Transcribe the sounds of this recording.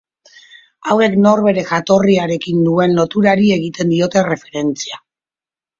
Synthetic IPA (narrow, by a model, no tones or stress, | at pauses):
awe̞kno̞ɾβe̞ɾe̞xat̪o̞riaɾe̞kinːue̞nlo̞t̪uɾaɾie̞ɣ̞it̪e̞nd̪io̞t̪e̞re̞fe̞ɾe̞nt͡sia